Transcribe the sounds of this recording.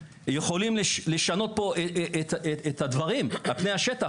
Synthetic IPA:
jeχo̞limleʃle̞ʃano̞t̪̚po̞ʔeet̪eet̪had̪vaʁimalpnejhaʃet̪a

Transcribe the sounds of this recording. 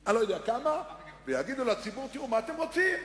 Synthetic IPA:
anlojod̪eakama | vejaɡid̪ulat͡sibuʁt̪iʁumaːt̪emʁo̞t͡sim

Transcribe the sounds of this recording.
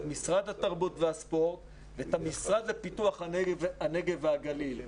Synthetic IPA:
misʁad̪hataʁbutvehaspo̞ʁt | veet̪amisʁad̪lepituaχhavaneɡevaɡalil

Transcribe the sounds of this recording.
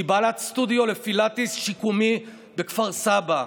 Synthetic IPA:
ibalatst̪udjo̞lefilat̪isʃikumi | bekfaʁsaba

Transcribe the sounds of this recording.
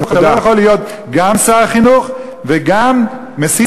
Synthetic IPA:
aalojaχolijot̪̚ | ɡamsaaχinuχ | veɡamː | esi

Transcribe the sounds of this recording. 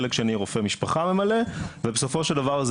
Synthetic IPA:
lekʃeniʁofemiʃpaχame̞malevebeso̞fo̞ʃeld̪avaʁz

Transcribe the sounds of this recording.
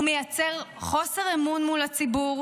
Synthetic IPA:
mejat͡se̞ʁχo̞seʁemunmulat͡sibuʁ

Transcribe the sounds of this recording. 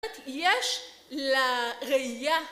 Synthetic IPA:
t̪jeʃ | laʁeija

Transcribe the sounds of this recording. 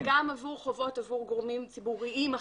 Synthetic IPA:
ɡamavuʁχo̞vo̞tavuʁɡoʁmimt͡sibuʁiima

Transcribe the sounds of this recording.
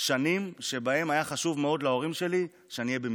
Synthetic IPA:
ʃanimʃe̞bae̞majaχaʃuvmeo̞dlao̞ʁimʃe̞li | ʃeanijebem

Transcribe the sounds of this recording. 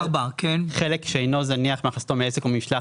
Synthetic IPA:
ʁbakenχelekʃeejno̞zaniaχmeaχast̪omeesekomiʃla

